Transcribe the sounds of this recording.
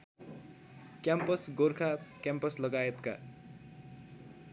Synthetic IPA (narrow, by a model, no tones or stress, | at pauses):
kjampʌsɡorkʰakjampʌslʌɡaet̪ka̰